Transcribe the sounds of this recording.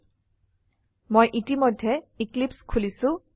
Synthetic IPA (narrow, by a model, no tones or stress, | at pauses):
mojʔitimɔjdʱːɛiklipskʰulisʊ̃